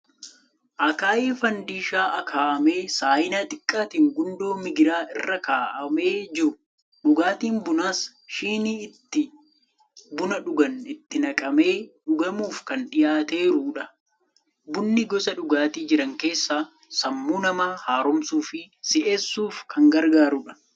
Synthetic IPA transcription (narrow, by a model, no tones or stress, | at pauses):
ʔɐkaːʔiːfɐnd̪iːʃaːʔɐkʰaːʔɐme̞ːsaːjɪnat̪ʼɪkʼːaːt̪iːŋɡʊnd̪o̞ːmɪɡɪɾaːʔɪrːɐkaːʔɐme̞ːd͡ʒɪɾʊ | ɗʊɡaːt̪iːnbʊnaːs | ʃiːniɪt̪ːɪ | bʊnɐᶑʊɡɐnɪt̪ːɪnɐkʼɐme̞ːᶑʊɡɐmuːfkɐnᶑɪjaːt̪e̞ːɾuːᶑɐ | bʊnːɪɡɔsɐᶑʊɡaːt̪iːd͡ʒɪɾɐŋke̞ːsːaː | sɐmːuːnɐmaːhaːɾɔmsuːfɪsɪʔeːsːuːfkʰɐŋɡɐɾɡaːɾuᶑɐ̥